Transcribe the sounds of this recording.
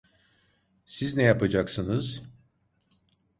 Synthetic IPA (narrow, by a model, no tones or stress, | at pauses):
siznɛjapad͡ʒaksɯnɯz̥